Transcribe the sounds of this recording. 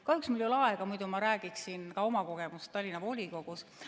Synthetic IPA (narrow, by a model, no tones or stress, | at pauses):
kɑhyksmuljolɑeɡ̥ɑmujd̪umɑɾæːɡ̥iksinkɑo̞mɑko̞ɡ̥e̞must̪t̪ːɑlʲːinɑvo̞lʲiko̞ɡ̥us